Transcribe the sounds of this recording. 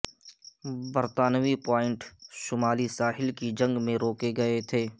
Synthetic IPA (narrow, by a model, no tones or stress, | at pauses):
bəɾt̪aːnʋipaːɪ̃ɳʈʃʊmaːlisaːɦɪlkid͡ʒɐ̃ŋɡmẽɾoːkeɡɐet̪ʰeː